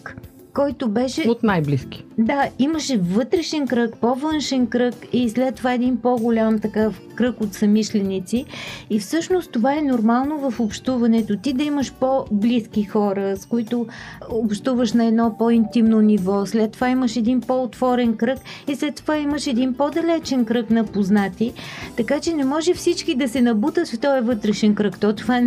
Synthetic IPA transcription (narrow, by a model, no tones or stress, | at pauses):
k | kɔjt̪obɛʃɛot̪najbliski̥d̪aiməʃɛvɤt̪ɾɛʃɛnkɾəkpovɤnʃɛnkɾɤkislɛt̪ːovaɛd̪inpoɡolʲamt̪ɐkɤf | kɾɤkot̪sɐmiʃlɛnit̪siifsɤʃnost̪t̪ovaɛnoɾmalˠnovɐfopʃt̪uvɐnɛt̪ot̪id̪ɐiməʃpobliskixɔɾəskʊit̪oopʃt̪uvəʃnɐɛd̪nɔpɔint̪imnonivɔslɛt̪ːovaiməʃɛd̪inpɔʊt̪vɔɾɛnkɾɤkislɛt̪ːovaiməʃɛd̪inpod̪ɐlɛt͡ʃɛnkɾɤknɐpoznat̪it̪ɐkat͡ʃɛnɛmɔʒɛfsit͡ʃkid̪ɐsɛnɐbut̪ət̪ft̪ɔɛvɤt̪ɾɛʃɛnkɾɤkt̪ɔt̪ova